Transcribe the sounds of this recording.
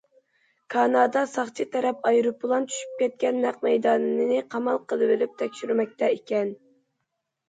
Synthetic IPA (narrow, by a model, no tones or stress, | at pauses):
kʰɑnɑːd̪ɑsɑχt͡ʃ̪ʰit̪ʰɛɾɛpɑjɾupːʊlˠɑntt͡ʃ̪ʰy̥ʃy̥p̚kʲɛt̪̚kʲɛnːæq̚mɛjd̪ɑːnɨnɨnɨqʰɑmɑlˠqʰəlˠɨbɨlyp̚t̪ʰɛkʲʃyɾymɛk̚ʲt̪ʰɛikʲɛn